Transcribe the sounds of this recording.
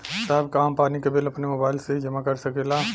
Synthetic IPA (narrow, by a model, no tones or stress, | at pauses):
saɦɪbkaːmpaːnikebelɐpnemoːbaːɪlseɦid͡ʒɐmakɐɾsɐkeːlaː